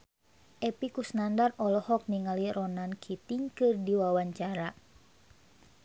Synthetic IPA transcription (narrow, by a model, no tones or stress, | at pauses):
ʔɛpikusnandarɔlɔhɔk̚niŋaliɾɔnankʰit̪iŋkɨrdiwawaɲt͡ʃaɾa